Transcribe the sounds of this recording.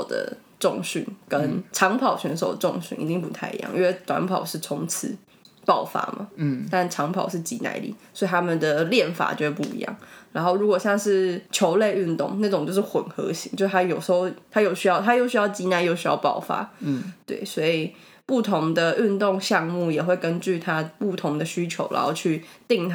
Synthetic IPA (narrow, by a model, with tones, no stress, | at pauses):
ʊd̪ə̰˩ | ʈ͡ʂʊ˥˨˧ŋɕy̰˥˩nkə˦nʈ͡ʂʰɑ˧˥ŋpʰɑ˨˩ʊɕɥɛ˧˥nʂ̬o˨˩ʊd̪ə˩˧ʈ͡ʂʊ˥˧ŋɕy̰˥˩ni˧˥t͡ɕi˥˩ŋpu˧˥t̪ʰa˥˩ɪḭ˧˥jɑ̰˥˩ŋʔḭ˥nwe˥˧˩t̪wa̰˧˥npʰɑ˨˩ʊʂɻ̩˥˩t͡sʰʊ˧˥ŋt͡s̩ʰ˧˥˦ | pɑ˥˩ʊfa̰˥mɐ̰˨˩t̪a˥˧nʈ͡ʂʰɑ˧˥ŋpʰɑ˨˩ʊʂɻ̩˥˩t͡ɕi˧˥na̰˧˥ɪlḭ˨˩swɔ˧˥i˨˩t̪ʰa˥mə˨nd̪ə˩ljɛ˥˩nfa̰˨˩t͡ɕo˥˧˥pu˥˩ḭ˧˥jɑ̰˥˩ŋɻa˧˥nxo˥˩ʊɻu˧˥kwɔ˨˩ɕjɑ˥˧ŋʂɻ̩˥˩t͡ɕʰjo˧˥ʊle˥˧ɪy˥˧nt̪ʊ̰˥˩ŋna˥˩ʈ͡ʂʊ˨˩ŋt͡ɕjo˥˧ʊʂɻ̩˥˩xwə˨˩nxɤ˧˥ɕi˧˥ŋt͡ɕo˥˧ʊʂʰa˥jo˨˩ʊʂ̩˧˥xo˥˧ʊt̪ʰa˥jo˨˩ʊɕy˥jɑ˥˩ʊt̪ʰa˥jo˥˧ʊɕy˥jɑ˥˩ʊt͡ɕi˧˥na˧˥ɪjo˥˧˩ʊɕy˥jɑ̰˥˧ʊpɑ̰˥˩ʊfa̰˥t̪wḛ˥˩ɪswɔ˥i˨˩ | pu˥˩t̪ʰʊ˧˦˥ŋd̪ə˧y˥˧nt̪ʊ˥˧ŋɕjɑ˥˧ŋmu˥˩jɛ˨˩xwe˥˩ɪkə˦˥nt͡ɕy˥˩t̪ʰa˦˥pu˥˩t̪ʰʊ˧˥ŋd̪ə˧ɕy˥t͡ɕʰjo̰˧˥ʊɻa̰˧˦nxo˥˧ʊt͡ɕʰy˥˧t̪i˥˧ŋt̪ʰ